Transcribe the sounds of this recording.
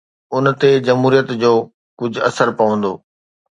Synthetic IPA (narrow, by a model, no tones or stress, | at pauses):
ʊnt̪ed͡ʑɐmɦuːɾijət̪d͡ʑoː | kʊd͡ʑʱʊɐsəɾpɐʋə̃nd̪o̰ː